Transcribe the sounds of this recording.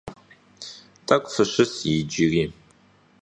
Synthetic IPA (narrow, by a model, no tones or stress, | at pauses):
tʼɐkʷʼfɨɕɪsjid͡ʒiriː